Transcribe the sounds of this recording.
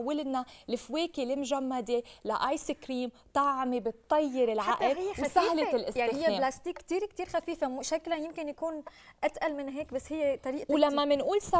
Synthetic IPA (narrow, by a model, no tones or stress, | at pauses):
wɪlnalɪfweːkelɪmʒamːad̪elaʔaːjsɪkɾiːm | t̪ˤɑʕmebɪt̪ˤːɑjːɪɾɪlʕaʔɪljːewsahlɪɪlʔɪshɪjːeeblast̪iːkːt̪iːɾkt̪iːɾxafiːfemʊʃaklajɪmkɪnjakuːnʔat̪ʔalmɪnɦeːkbasːhɪjːet̪ˤɑɾiːʔlamːamɪnʔuːlsa